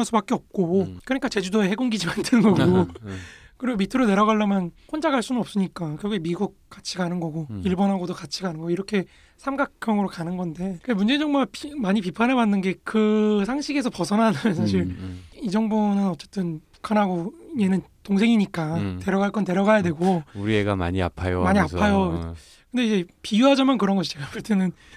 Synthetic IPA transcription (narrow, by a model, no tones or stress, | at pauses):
ns͈ubak͈eʌp̚k͈okɯɲik͈at͡ɕe̞d͡ʑudoe̞he̞ɡoŋɡid͡ʑimandɯnɯnɡʌɡo | kɯɾiɡomitʰɯɾone̞ɾʌɣaɭːamjʌnkʰond͡ʑaɡaɭs͈unnʌp̚s͈ɯɲik͈akɯɾʌɡuemiɡuk̚k͈at͡ɕʰiɡanɯnɡʌɡoiɭbʌnɦaɡodokat͡ɕʰiɡanɯnɡʌiɾʌkʰe̞ | sʰamɡakʰjʌŋɯɾokanɯnɡʌnde̞kamund͡ʑeɲd͡ʑʌŋboɡapmaɲipipʰanebanːɯnɡe̞kɯsʰaŋɕʰiɡe̞sʰʌpʌsʰʌnanɯnsʰaɕ̬ʰiɾid͡ʑʌŋbonɯnʌt͡ɕ͈e̞t͈ɯnpu̥kʰanɦaɡoiɲe̞nɯntoŋsʰe̞ŋiɲik͈ate̞ɾʌɡaɭk͈ʌnte̞ɾʌɡajadwe̞ɡouɾieɡama̰ɲia̰pʰajo̰maɲiaajo | kɯnde̞id͡ʑe̞pijuɦad͡ʑamankɯɾʌnɡʌɕʰi̥t͡ɕeɡapuɭt͈enɯn